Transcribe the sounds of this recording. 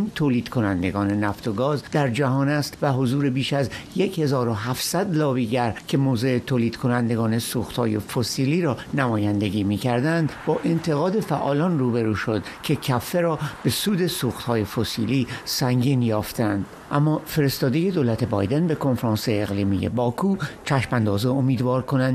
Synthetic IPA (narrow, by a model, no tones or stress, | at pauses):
int̪ʰoːliːd̪̥kʰo̞nænd̪e̞ɡɒːne̞næft̪ʰo̞ɡɒːzd̪æɾd͡ʒæɦɒːnæst̪væɦo̞zuːɾe̞biːʃæzje̞che̞zɒːɾo̞ɦæfsæd̪lɒːbiɟæɾcʰe̞moːzeːt̪ʰoːliːd̪̥kʰonænd̪e̞ɡɒːne̞suːxt̪hɒ̰ːje̞fosiːliːɾɒːnæmɒːjænd̪e̞ɡʲiːmiːcʰæɾd̪ænd̪bɒːʔe̞nt̪ʰe̞ɣɒːd̪e̞fæʔɒ̰ːlɒnruːbeɾuːʃo̞d̪̥cʰe̞cʰæfːe̞ɾɒːb̥e̞suːd̪e̞suːxt̪hɒːje̞fosḭːliːsæŋɟiːnjɒːft̪ʰend̪̥ | ʔæmːɒːfe̞ɾest̪ɒːd̪e̞je̞d̪oːlæt̪ʰe̞bɒ̰ːjd̪enbe̞kʰo̞nfeɾɑːnseːɣliːmḭjḛbɒːkʰuːt͡ʃʰæʃmænd̪ɒːzeomiːd̪vɒːɾkʰo̞nænd̪